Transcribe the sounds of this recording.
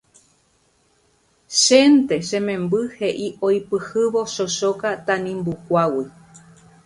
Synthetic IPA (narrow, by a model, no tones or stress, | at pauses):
ʃent̪e̞ʃẽmẽmbɨhe̞ʔiojpɨhɨʋo̞ʃoʃokat̪ãnĩmbukʷawi